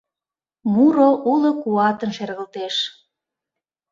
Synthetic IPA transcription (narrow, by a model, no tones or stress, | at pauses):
muɾoʔulŏkuɑt̪ənʃerɣə̆lt̪eʃ